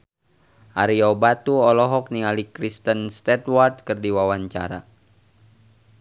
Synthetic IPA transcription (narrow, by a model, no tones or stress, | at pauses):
ʔaɾiɔbat̪uɔlɔɦɔk̚nialikɾist̪ənst̪ɛt̪ward̪̚kərdiwawaɲt͡ʃa̰ɾa̰